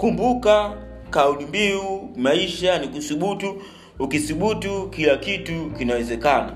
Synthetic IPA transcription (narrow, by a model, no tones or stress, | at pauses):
kumbuka | kaulimbiumaiʃanikusuɓutuː | kisuɓutukilakitukinawɛzɛkana